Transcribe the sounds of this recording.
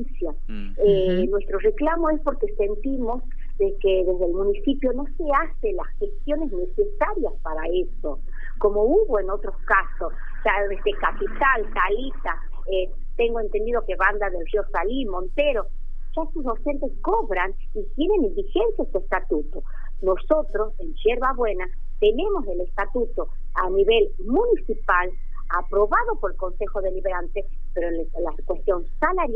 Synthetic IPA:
sja | enwe̞st̪ɾo̞reklamo̞e̞spo̞ɾke̞se̞nt̪imo̞z | ðekeðe̞zðelmũnisipjo̞no̞se̞aselasxest̪jo̞ne̞zne̞se̞saɾjaspaɾaeso̞ | ko̞mo̞uβoeno̞t̪ɾo̞skasos | saesekapit̪alt̪alit̪a | e | t̪e̞ŋɡoe̞nt̪end̪iðoke̞βand̪aðelxjosalimõnt̪eɾo | ʒ̥aest̪ozðo̞wse̞nt̪e̞sko̞βɾan | it̪jene̞nimbixensjaest̪uest̪at̪ut̪o̞ | no̞so̞t̪ɾo̞se̞nʒe̞ɾβaβwe̞na | t̪e̞nẽ̞mo̞se̞le̞st̪at̪ut̪o̞ | aniβe̞l | munisipal | apɾo̞βaðo̞po̞ɾelko̞nse̞xo̞ðeliβeɾant̪e | peɾo | lakwest̪jo̞nsalaɾ

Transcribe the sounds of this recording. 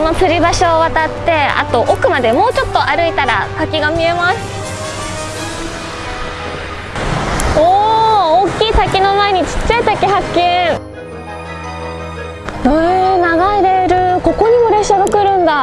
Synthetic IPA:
not͡sɨɾʲibaɕo̞ːβat̪at̪ːe̞a̰t̪o̞ʔokɯ̟mad̪e̞mo̞ːt͡ɕo̞t̪ːo̞ʔaɾɯ̟it̪aɾa̰sakʲiɡamʲie̞masɨ̥ | ooːkʲːiːsakʲino̞maeɲ̟it͡ɕi̥tt͡ɕːait̪akʲiɦakʲːẽɴ̃ | enaɡaiɾeɾɯ̟ko̞ko̞ɲ̟imoɾe̞ɕaɡakɯ̟ɾɯ̟̃nd̪a

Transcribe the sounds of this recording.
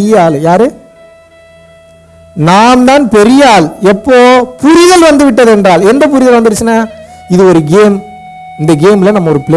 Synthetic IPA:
ɪjaːljaːɾɯ | naːmd̪aːnpɛɾɪjaːlɛpːoːpʊɾɪɣɐlʋɐnd̪ɯʋɪʈːɐðɛndraːlɛndrɐp̬ʊɾɪɣɐlʋɐnd̪ɯɾɯt͡ʃːɯnːaɪðɯɔɾɯɡeːm | ɪnd̪ɐɡeːmɪlɐnɐmːɐɔɾɯpɪle

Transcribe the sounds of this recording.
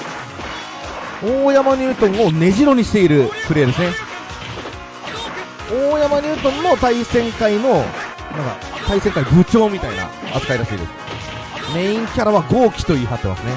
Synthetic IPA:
oːjamaɲ̟ʲɨːt̪õ̞ŋ̃o̞ne̞ʑiɾo̞ɲ̟iɕi̥t̪e̞iɾɯ̟pɯ̟ɾe̞d̪e̞sɨne | oːjamaɲ̟ʲɨːt̪õ̞mːo̞t̪aisẽ̞ŋkaino̞ | nãŋka̰t̪aisẽ̞ŋkaibɯ̟t͡ɕo̞ːmʲit̪aina̰a̰t͡sɨ̥kaiɾaɕḭːd̪esɨ̥ | meĩŋkʲaɾaβaɡo̞ːkʲi̥t̪o̞iːɦat̪ːe̞ma̰sɨne̞

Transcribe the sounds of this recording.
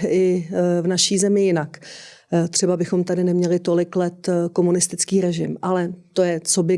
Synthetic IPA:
ɪvnaʃiːzɛmɪjɪnak | t̪r̥ɛbabɪxo̞mt̪adɪnɛmɲɛlɪt̪o̞lɪklɛt̪ko̞munɪst̪ɪt͡skiːɾɛʒɪmʔalɛt̪o̞jɛt͡so̞bɪ

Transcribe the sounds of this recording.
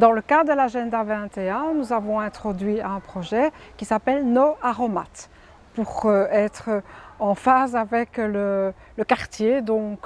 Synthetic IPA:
d̪ɑ̃ləkad̪əlaʒɛ̃nd̪avɛ̃t̪eɛ̃nuzavɔ̃ɛ̃t̪χɔd̪ɥiɛ̃pχɔʒɛkʲisapɛlnoaʁɔma̰t̪ | puʁøɛt̪χəɑ̃fazavɛklə | ləkaʁt̪jed̪ɔ̃k

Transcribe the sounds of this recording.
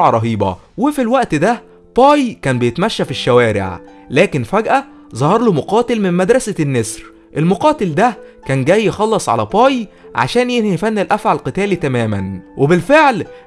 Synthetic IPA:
ʕɑɾˤɑɦiːbɑ̰wefilwæʔt̪d̪æ | bɑːjkæːnbejet̪mæʃːæfiʃːæwæːɾḛʕ | læːkenfæɡʔæ | zˤɑhɑɾˤlomoqɑːt̪elmemmæd̪ɾˤɑsænːesɾ | ʔelmoqɑːt̪eld̪ækæːnɡæjːxɑlːɑsˤʕa̰læbɑːj | ʕa̰ʃæːnjehjfænːelʔæfʕalqɨt̪æːlit̪æmæːmænwebelfeʕl

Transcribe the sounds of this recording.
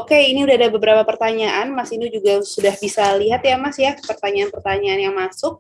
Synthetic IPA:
okeiniudaɦadabəbəɾapapərt̪aɲaʔanmasint̪ud͡ʒuɡasudahbisaliɦat̪jamasjapərt̪aɲaːnpərt̪aɲaːnjaŋmasʊk̚

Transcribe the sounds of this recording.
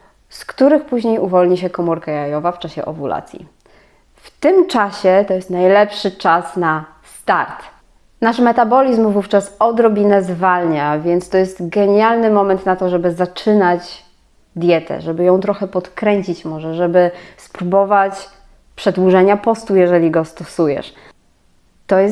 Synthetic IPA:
skt̪uɾɘxpuʑɲejuvɔlɲiɕɛkɔmuɾkajajɔvaft͡ʂaɕɛ̰ʔɔ̰vulʔa̰t̪sʲjḭ | ft̪ɘmt͡ʂaɕɛt̪ɔjɛst̪najlɛpʂɘt͡ʂasna | st̪aɾt̪ | naʂmɛt̪abɔlʲizmvuft͡ʂasɔd̪ɾɔbʲinɛzvalɲavʲjɛnt̪st̪ɔjɛst̪ɡɛɲalnɘmɔmɛnt̪nat̪ɔʐɛbɘzat͡ʂɘnad͡ʑ | d̪ʲjɛt̪ɛ̰ʐɛbɘjɔ̃w̃t̪ɾɔxɛpɔt̪kɾɛɲt͡ɕit͡ɕmɔʐɛʐɛbɘspɾubɔvat͡ɕ | pʂɛd̪wuʐɛɲapɔst̪ujɛʐɛlʲiɡɔst̪ɔsujɛ̰ʂ | t̪ɔjɛ

